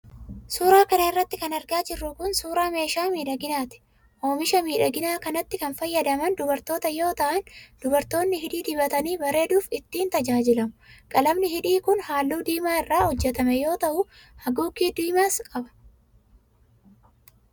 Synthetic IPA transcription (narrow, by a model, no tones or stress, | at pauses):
suːɾaːkɐnɐɪrːɐt̪ːɪkɐnɐɾɡaːd͡ʒɪrːʊkʊnsuːɾaːme̞ːʃaːmiːᶑɐɡɪnaːt̪ɪ̥ | ʔo̞ːmɪʃɐmiːᶑɐɡɪnaːkɐnɐt̪ːɪkɐnfɐjːɐd̪ɐmɐnd̪ʊbɐɾt̪o̞ːt̪ɐjo̞ːt̪ɐʔɐnd̪̥ʊbɐɾt̪o̞ːnːɪɦɪᶑiːd̪ɪbɐt̪ɐniːbɐɾe̞ːd̪uːfɪt̪ːiːnt̪ɐd͡ʒaːd͡ʒɪlɐmʊkʼɐlɐmnɪhɪᶑiːkʊnhaːlːuːd̪iːmaːɪrːaːhɔd͡ʒːɛt̪ɐmɛjo̞ːt̪ɐʔʊ | hɐɡuːkːiːd̪iːmaːskʼɐbɐ̥